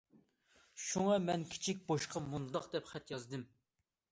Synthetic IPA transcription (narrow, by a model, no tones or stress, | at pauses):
ʃuŋɑmɛnkʲʰi̥t͡ʃʰik̚ʲboʃqɑmund̪ɑqd̪ɛpχɛt̪jɑzd̪ɨm